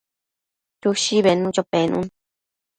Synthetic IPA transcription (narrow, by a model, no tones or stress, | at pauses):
t͡ʃuʃiβenũt͡ʃopenṵ̃n